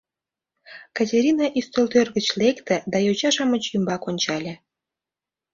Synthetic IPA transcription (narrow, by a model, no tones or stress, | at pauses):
kɑtʲeɾʲinɑʔist̪olt̪ørɣət͡ɕlekt̪ĕd̪ɑjot͡ɕɑʃɑmət͡ɕjymbɑkonʲt͡ɕɑlʲe